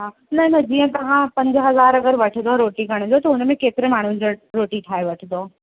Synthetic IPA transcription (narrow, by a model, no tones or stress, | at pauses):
ɦaː | nɐnɐd͡ʑiːə̃t̪ɐʋ̤ãpɐ̃ɲd͡ʑəɦɐzaːɾɐɡəɾʋɐʈʰənd̪oɾoːʈikɐɽ̃d͡ʑot̪ɐʊnmẽkeːt̪ɪɾemaːɳ̤uɪ̃d͡ʑoɾoːʈiʈʰaːeʋɐʈʰənd̪oː